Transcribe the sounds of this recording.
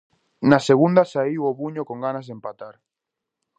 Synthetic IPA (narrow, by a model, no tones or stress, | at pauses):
naseɣund̪asaiwoβuɲokoŋɡanazðempat̪aɾ